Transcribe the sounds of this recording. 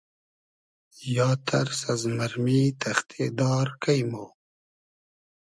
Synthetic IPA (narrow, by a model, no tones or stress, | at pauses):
jɑːt̪ʰaɾsazmaɾmit̪ʰaxt̪ʰed̪ɑːɾkʰajmo